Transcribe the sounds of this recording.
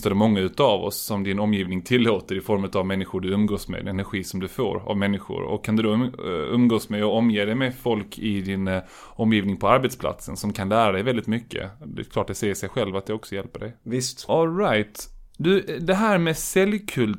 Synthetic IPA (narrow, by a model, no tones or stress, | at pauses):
t̪ad̪ɛmɔŋːaʉ̟ːt̪əavɔ̰sːɔmd̪ɪnɔmːjiːvnɪŋt̪ʰɪlːoːt̪əɾɪfɔɾmʉ̟t̪avmɛnːɪɧʊɖɵɵmɡoːsmɛ̰d̪ɛnæɾɧiːsɔmd̪ɵfo̰ːɾa̰vmɛnːɪɧʊ̰ɾɔ̰kʰːand̪ɵd̪ɔɵmɡoːsmɛɔɔmːjeːd̪ɛjmɛfɔlkʰɪd̪ɪn | ɔmjiːvnɪŋpʰɔaɾbɛt̪spʰla̰t̪sənsɔmkʰanlæːɾad̪ɛjvɛld̪ɪt̪mʏkːə̰d̪ɛ̰kʰlɑːʈ̚d̪ɛsɛjːəʂɛjɧɛlvat̪̚ɛɔksɔjɛlpəɖɛjvɪst̪ɔlɾajt̪d̪ɵd̪ɛɦæːɾmɛsɛljkʰɵl